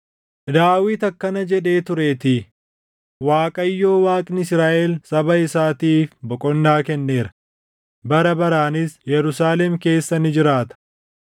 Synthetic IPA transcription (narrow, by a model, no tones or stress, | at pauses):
d̪aːwiːt̪ɐkːɐnɐd͡ʒɛᶑe̞ːt̪ʊɾeːt̪ɪ | waːkʼɐjːo̞ːwaːkʼnɪɪsɾaːʔɛlsɐbɐɪsaːt̪iːfbɔkʼɔnːaːkɛnːe̞ːɾɐ̥ | bɐɾɐbɐɾaːnɪsjɛɾʊsaːlɛmke̞ːsːɐnɪd͡ʒɪɾaːt̪ɐ̥